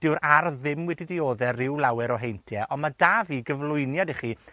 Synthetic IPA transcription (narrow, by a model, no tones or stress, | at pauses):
d̥ɪwɾarðɪmwɛdidioːðɛɾɪwlˠawɛɾɔɦejntʰjɛʔɔnmadaːviːɡəvlˠʊɨnjadɛχi